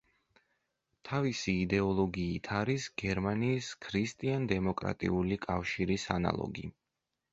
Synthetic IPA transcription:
t̪ʰavisiːd̪ɛɔlˠɔɡiːt̪ʰaɾisɡ̥ɛɾmaniːskʰɾist̪ʼiand̪ɛmɔkʼɾa̰t̪ʼḭulikʼafʃiɾisana̰lˠɔ̰ɡḭ

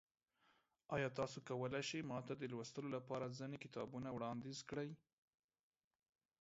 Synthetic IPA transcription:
ɑjɑt̪ɑsokawəlajʃəjmɑt̪ad̪əlwəst̪əlolapɑɾazənekɪt̪ɑbunawɽɑnd̪izkɽəj

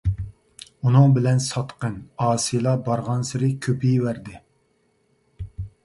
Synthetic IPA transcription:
unɨŋbɪlɛnsɑt̪qənɑːsijlˠɑbɑɾʁɑnsɪɾɪkʲʰøpʰijwæɾd̪ɪ

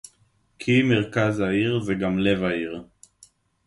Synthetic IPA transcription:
kʰimeʁkazhaiʁzeɡamle̞vaiʁ

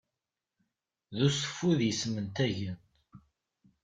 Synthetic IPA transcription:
ðusə̥fːuðjəsmənt̪æʝən

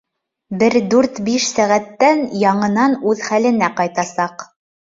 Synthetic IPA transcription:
bɘɾd̪ʉɾt̪biʃsæʁæt̪ːænjɑɴɤ̆nɑnʉðχælɘ̆næqɑjt̪ɑsɑq

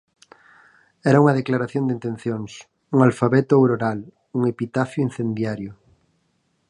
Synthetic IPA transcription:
ɛɾauŋɐðeklaɾaθjond̪int̪ẽn̟θjoŋs | uŋalfaβɛt̪ʊawɾoɾal | uŋepit̪afjʊĩn̟θend̪jaɾjʊ

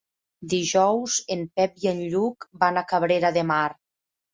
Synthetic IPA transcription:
d̪iʒɔwzempɛp̚jenʎukbanakaβɾeɾaðemaɾr

